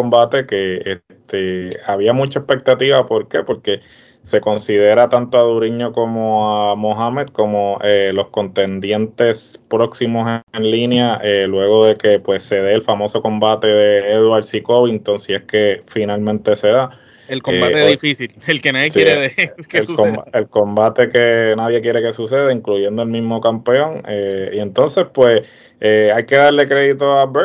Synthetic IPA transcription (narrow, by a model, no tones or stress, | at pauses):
kombat̪e̞keest̪eaβiamut͡ʃaespe̞k̚t̪at̪iβapo̞ɾke̞po̞ɾke̞ | se̞ko̞nsið̞e̞ɾat̪ant̪oaðuɾiɲo̞ko̞mo̞amoɦamed̪̚ko̞moʔelo̞sko̞nt̪e̞nd̪je̞nt̪e̞spɾo̞ksimo̞senlinjaʔelwe̞ɣo̞ðe̞ke̞pwe̞sːe̞ð̞eːlfamo̞so̞ko̞mbat̪e̞ðe̞eðwaɾsiko̞βint̪onsieske̞finalmẽnt̪e̞se̞ða | elkoeat̪eðifisilelkenaðjesjɾeðekeelkoelko̞mbat̪e̞ke̞naðje̞kjeɾe̞ke̞suse̞ðeiŋkluʝe̞nd̪o̞elmizmo̞kampe̞õ̞ŋeie̞nt̪o̞nse̞spwe̞s | eajke̞ðaɾle̞kɾe̞ðit̪o̞abe